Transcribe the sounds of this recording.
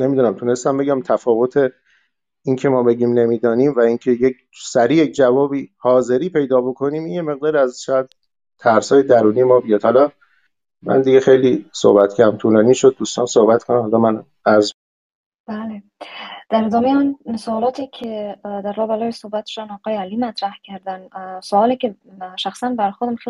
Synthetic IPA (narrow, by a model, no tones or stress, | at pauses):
ne̞mid̪uːnæmt̪ʰune̞st̪æmbe̞ɟæmt̪ʰæfɒːvo̞t̪ʰe̞ | incʰe̞mɒːbe̞ɟiːmne̞miːd̪ɒːniːmvæincʰejek | sæɾiːjec̚ʰd͡ʒævɒːbiːhɒːze̞ɾiːpʰe̞jd̪ɒːbo̞kʰo̞niːminjeme̞ɣ̚d̪ɒːɾiæzʃɒːjæd̪̥̚ | t̪ʰæɾshɒːjed̪æɾuːnijemɒːbijɒd̪̥hɒlɒ | mæ̰nd̪iɡe̞xe̞jlisohbæt̪kʰææmt̪ʰuːlɒːniːʃod̪̚ːuːst̪ɒːnsohbæt̪kʰonæmhɒlɒːmæn | æɾz | b̥æle | d̪̥æɾed̪ɒːmejɔnsoɒːlɒːt̪ʰiːkʰed̪æɾlɒːbælɒːjesohbæt̪ʃod̪ænɒːɣɒːjeæliːmæt̪ʰɾæhcʰæɾd̪ænsoɒːlikeʃæxsænbæɾxoɾd̪æmxe